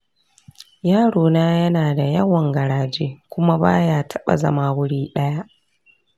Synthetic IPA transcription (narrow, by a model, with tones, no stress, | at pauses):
jaː˦˨ɽoː˨naː˦jɐ˦naː˨da˨jɐ˦wɐ˨ŋɡɐ˨ɽaː˨d͡ʒeː˦kʷʊ˦ma˦ba̰ː˦jaː˦tʰɐ˦ɓa̰˨zɐ̰˦maː˦wʊ˦ɽiː˦ɗɐ˦ja˦ʔ